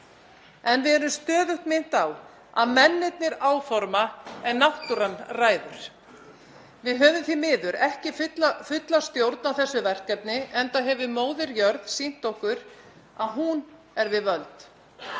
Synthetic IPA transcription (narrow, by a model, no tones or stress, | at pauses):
ɛnvɪðɛɾʏmst̪œːðʏht̪mɪn̥t̪aw | a̰ðmɛnːɪt̪̚nɪɾaːwfɔɾmaɛnaht̪ʏɾɛmraːjðʏɾ̥ | vɪðɦœːvʏmθimɪːðʏɾɛhcɪfʏt̪lafʏt̪last̪jowɾt̪nawθɛsːʏvɛr̥kɛp̚nɪɛnt̪aɦɛvʏmoːwðɪɾjœɾðsin̥t̪ohkʏɾ̥ | aðɦun | ɛɾvɪðvœlt̪